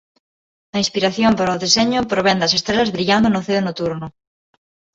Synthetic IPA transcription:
ɐĩspiɾaθjompaɾɐoðeseɲʊpɾoβɛnd̪ɐsest̪ɾelɐzβɾiʎand̪onoθeonot̪uɾnʊ

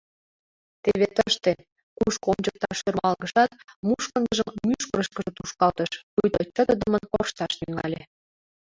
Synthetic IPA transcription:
t̪eβet̪əʃt̪e | kuʃkomd͡ʑək̚t̪ɑʃørmɑlɣəʃɑt̪muʃkə̆nɡ̪əʒəmmyʃkəɾə̆ʃkə̆ʒĕt̪uʃkɑlt̪əʃkujt̪ot͡ɕːəd̪ə̆d̪əmənkorʃt̪ɑʃnyŋɑ̰lʲe

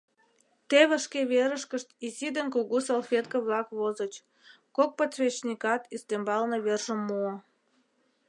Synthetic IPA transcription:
t̪eβə̆ʃkeβeɾəʃkəʃt̪isid̪ənkuɣusolˠfʲet̪kə̆βlɑkβozət͡ɕ | kok̚pott͡sβʲet͡ɕnʲikɑt̪ist̪embɑlnɤβerʒə̆mːo

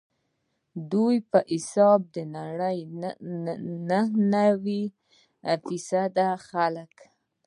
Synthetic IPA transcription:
d̪ujpəʔɪsɑb̚d̪ənaɽəj | nəhnawi | fisad̪axalək

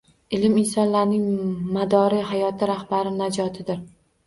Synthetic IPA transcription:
ɪlɪmɪnsɒnlaɾnɪŋmad̪ɒɾiɦajɒt̪ʰɪɾahbaɾɪnad͡ʒɒt̪ʰɪd̪ɪɾ

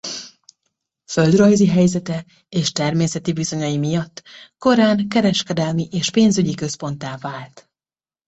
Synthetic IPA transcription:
fø̞ld̪rɒjziɦɛjzɛt̪ɛ | eːʃt̪ɛrmeːsɛt̪ibizo̞ɲɒjimijɒt̪ːko̞ɾaːŋkɛɾɛʃkɛd̪ɛlmiʔeːʃpeːnzyɟikø̞spo̞nt̪aːvaːlt̪

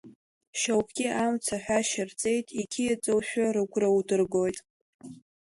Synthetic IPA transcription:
ʃawkʰɡʲɪʔamt͡sʰaħʷᶣaʃɪrt͡sʼe̞jtʼikʲʰijat͡sʼowʃᶣaɾɨɡʷʰʼrawdɨrɡojtʼ

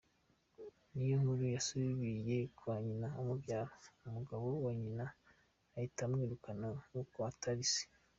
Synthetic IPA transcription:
nijoŋuɾujasuβiβije̞kʰwaɲinaːmubjaːɾoumuɡaβowoɲinaː | itamŋiːɾukananukoataɾise̥

